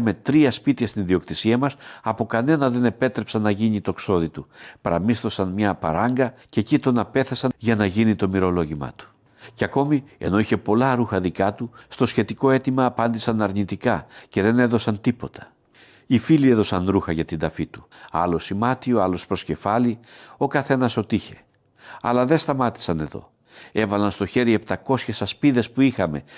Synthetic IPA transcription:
me̞t̪ɾiɐspit̪iɐst̪inðio̞kt̪isiɐmɐsɐpo̞kɐne̞nɐðe̞ne̞pe̞t̪ɾe̞psɐnːɐʝiɲit̪o̞kso̞ðit̪upɐɾɐmisθo̞sɐnmɲɐpɐ̰ɾɐŋɡɐce̞cit̪o̞nɐpe̞θesɐʝɐnɐʝinit̪o̞miɾo̞lo̞ʝimɐ̰t̪u̥ | ceɐko̞mie̞̰no̞içe̞po̞lɐɾuxɐðikɐt̪ust̪o̞sçe̞t̪iko̞e̞t̪imɐːpɐnd̪isɐnɐɾnit̪ikɐce̞ðe̞ne̞ðo̞sɐnt̪ipo̞t̪ʰɐ̥ | ifilie̞ðo̞sɐnɾuxɐʝɐt̪ind̪ɐfit̪u̥ɐ̰lo̞simɐt̪ioɐlo̞spɾo̞sce̞fɐlio̞kɐθe̞nɐso̞t̪içe̞ | ɐ̰lɐðe̞st̪ɐmɐt̪i̥sɐne̞ðo̞̰ | e̞vɐlɐnst̪o̞çe̞ɾie̞pt̪ɐko̞sçe̞sɐspiðe̞spuixɐme̞

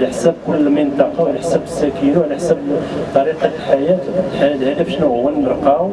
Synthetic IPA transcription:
laħsæb̚kʊlːəmənt̪ˤɑqɑwʕlaħsæbəsːækinawʕlaħsəbt̪ˤːɑɾiqɑlħajæt̪ħajæt̪hæd̪æfʃnuʊwːənːəɾqɑw

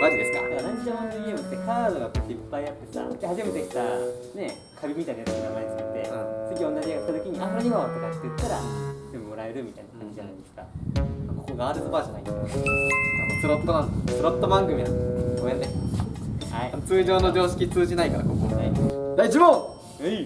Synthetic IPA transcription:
mad͡ʑid̪e̞sɨ̥ka̰d̪ekaɾãɲd͡ʑid͡ʑamãneɡʲeːmɯ̟t̪ːekaːd̪o̞ɡak̪ːipːaijat̪ːe̞sa̰d̪ehaʑime̞t̪e̞kʲi̥t̪a | ne̞ | kʰabʲimʲit̪ainasɨkiɾamait͡sɨ̥kɯt̪ːe̞mat͡sɨɡʲiõ̞nːad͡ʑiaɡat̪ːat̪okʲiɲ̟iʔasoɾoɲiɡaat̪o̞kat̪ːet̪ːaɾat̪embɯmo̞ɾae̞ɾɯ̟mʲit̪ainakʰãɲ̟d͡ʑid͡ʑana̰jd̪esɨ̥kamako̞ko̞ɡaːd̪ɯsɨbaːd͡ʑana̰id̪esk | anosɨɾot̪ːonãnd̪essɨɾot̪ːobãŋɡɯ̟mʲinãnd̪eskoat̪ːe | aiat͡sɨːʑo̞ːno̞d͡ʑo̞ːɕi̥kʲit͡sɨːʑinaikaɾako̞komna̰id̪aiʑibo | e

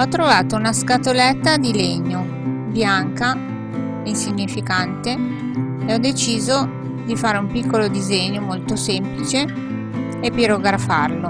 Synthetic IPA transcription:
ɔt̪ːɾovaːt̪ounaskat̪olɛt̪ːad̪ileɲo | bjaŋka | einsiɲːifikant̪e | eɔd̪et͡ʃiːzo | d̪ifaːɾeumpikːolod̪izeɲːomolt̪osemplit͡ʃeː | piɾoɡɾafarlo

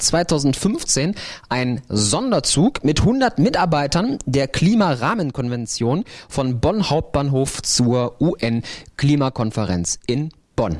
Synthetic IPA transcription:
t͡sv̥aɪtʰaʊzn̩tfʏnft͡seːnʔaɪnzɔndɐt͡suːkmɪthʊndɐtmɪtʔaɐbaɪtɐndeːɐkl̥iːmaʁaːmənkʰɔnvɛnt͡sjoːnfɔnbɔnhaʊp̚t̚b̥aːnɦoːft͡suːɐʔuːʔɛnkl̥iːmakʰɔnfəʁɛ̰nt͡sʔɪn | b̥ɔn

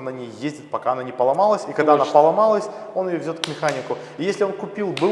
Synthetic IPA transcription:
nanʲejjezʲdʲɪt̪̚pɐkaɐnanʲɪpəlˠɐmalˠəsʲikɐɡd̪aɐnapəlˠɐmalˠəsʲ | o̞nɪjovʲzʲo̞t̪vmʲɪxanʲɪkʊ | ijesʲlʲɪo̞nkʊpʲilˠbɨ

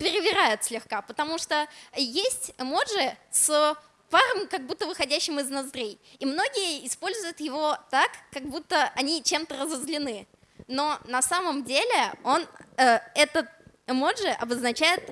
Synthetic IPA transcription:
pʲɪɾʲɪvʲɪɾajʊt̪sʲlʲɪxkapət̪ɐmuʂt̪ojesʲtʲɛmo̞ʐɨs | paɾɨmkɐɡ̚but̪ːəvɨxɐdʲæɕːɪmɪznɐzd̪ɾʲejimno̞ɡʲɪjəɪspo̞lʲzʊjʊt̪jɪvo̞t̪akːɐɡbut̪ːəʔɐnʲit͡ɕe̞mt̪ərəzəzlʲɪnɨ | no̞nɐsaməmdʲelʲɪo̞nəɛt̪ət̪ | ɛmo̞ʐɨʔɐbəznɐt͡ɕæjɪt̪

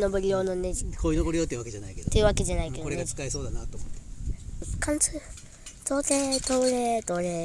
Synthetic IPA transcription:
noboɾʲijo̞ːnoned͡ʑikʰoːinoboɾijot̪ːeiɯ̟βaked͡ʒanaike̞d̪ot̪ːejɯ̟βake̞d͡ʑanaike̞d̪ooɾeeɡaikaeso̞ːd̪anat̪ːomot̪ːe | kʰãnt͡sɨ | t̪oːt̪et̪oɯɾet̪oɾe

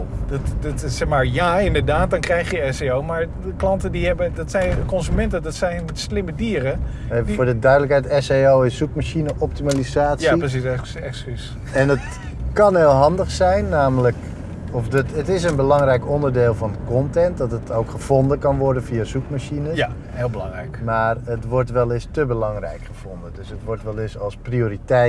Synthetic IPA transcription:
dttsɛχmaːɹjaɪndəɹdaːt̚dɑnkrɛjχjəɛseowmaːɹ | klɑntədiɦɛbədɑtsɛjnkɔnzymɛntədɑtsɛjnmɛtslɪmədiːrə | ɛfʊːɹdədœɥdələkɦɛjtɛseowɪsːukmaʃinəʔɔp̚timalizaːtsaipəs̬is | ɛkskys | ɛnət | kɑnɦeːlˠɦɑndəχsɛjnːaːmələk | ɔfdətətɪs̬ənbəlɑŋrɛjkɔndərdeːlˠvɑnkɔntɛnt̚dɑtətowkχəv̥ɔndəkɑnʋɔɹdənviazukmaʃinə | ɦelˠbəlɑŋrɛ̰jkmaːrətʋɔɹtʋɛlˠɪstəbəlɑŋrɛ̰jkχəv̥ɔndədɵsətʋɔɹtʋɛlˠɪsɑlˠsprioːritɛ

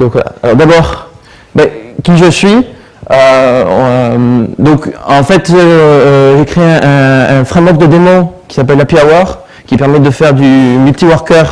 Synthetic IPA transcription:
d̪ɔ̃kva̰la̰alɔʁd̪abɔʁ | bɛkʲiʒəsɥi | ø | d̪ɔ̃kɑ̃fɛt̪ | ʒekχeɛ̃ʔɛ̃ːfχɛ̃mɔk̚d̪əd̪emɔ̃kʲi̥sapɛlːapjawaʁ | kʲipɛʁmɛd̪əfɛʁd̪ymylt̪iwaʁkœʁ

